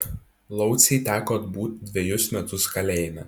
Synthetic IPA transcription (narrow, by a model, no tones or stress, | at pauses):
lˠɒʊt̪sʲɛɪt̪ʲæːkoːt̪buːt̪ʲd̪ʲʋʲɛjʊsmʲɛt̪ʊskɐlʲɛˑɪmʲɛ